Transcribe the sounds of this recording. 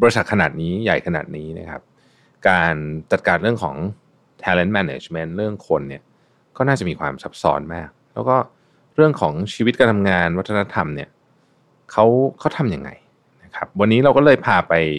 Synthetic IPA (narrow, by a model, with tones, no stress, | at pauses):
bɔː˧ɾi˧sa˨˩t̪̚kʰnaː˨˩t̪̚niː˦˥ja̰˨˩jkʰa˧na̰ː˨˩t̪̚niː˦˥na̰˦˥kʰa̰˦˥p̚ | kaː˧nt͡ɕa˨˩t̪̚kaː˧nɾɯ˥˩əŋkʰɔ̰ː˩˦ŋ | t̪ʰɛː˧le˦˥nmɛ˧neː˧t͡ɕme˦˥nɾɯ˥˩əŋkʰo˧nːi˥˩ə | kɔː˥˩naː˥˩t͡ɕa˨˩ʔmiː˧kʰwa̰ː˧msa˦˥p̚sɔ̰ː˦˥nmaː˥˩k̚lɛː˦˥wkɔː˥˩ | ɾɯ˥˩əŋkʰɔː˩˦ŋt͡ɕʰiː˧w̪̚kaː˧nʰa˧mŋaː˧nwa˦˥t̪ʰːna˦˥t̪ʰa˧mni˦˥˩ɐ | kʰa˦˥wkʰa˦˥wt̪ʰa˧mja˧ŋːa̰˧j | na˦˥kʰa˦˥p̚wa˧nːiː˦˥ɾa˧wkɔː˥˩lɤː˧˩jpʰaː˧pa˧j